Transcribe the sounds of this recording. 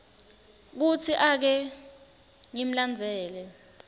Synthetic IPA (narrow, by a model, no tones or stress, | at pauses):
k̬ut͡sʰiʔak̬ɛ | ŋim̩land͡zʱɛːlɛ